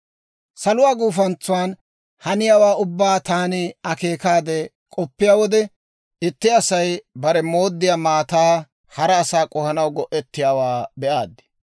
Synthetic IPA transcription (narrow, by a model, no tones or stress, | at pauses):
sɐlʊwaːɡuːfɐnt͡sːʊwaːn | hɐnɪjaːwaːʔʊbːaːt̪aːnɪɐke̞ːkaːd̪ɛ | kʼɔpːɪjaːwɔd̪ɛ | ʔɪt̪ːɪɐsɐjbɐɾɛmo̞ːd̪ːɪjaːmaːt̪aː | hɐɾɐːsaːkʼɔhɐnɐwɡɔʔɛt̪ːɪjaːwaːbɛʔaːd̪ːɪ̥